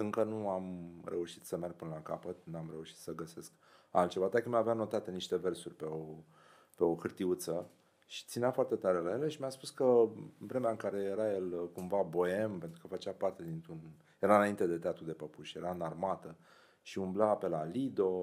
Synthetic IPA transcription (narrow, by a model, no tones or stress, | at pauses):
ɨŋkənuamɾʔe̞uʃi̥t̪səmerɡ̚pɨnəlakapət̪nuamɾe̞uʃi̥t̪səɡəse̞sk | a̰lt̪t͡ʃe̞vat̪akəmaveano̞t̪at̪eniʃt̪e̞ve̞rsurʲpe̞o | pe̞o̞kɨrt̪iut̪sə | ʃi̥t̪sineafoart̪e̞t̪aɾe̞laje̞le̞ʃimʲaspuskəvɾe̞meaɨŋkaɾe̞jeɾaje̞lkumvabo̞e̞mpe̞nt̪ɾukəfət͡ʃeapart̪e̞d̪int̪ɾun | je̞ɾanaint̪e̞d̪e̞t̪eat̪ɾud̪e̞pəpuʃje̞ɾanarmat̪ə | ʃiumblape̞lalid̪o̞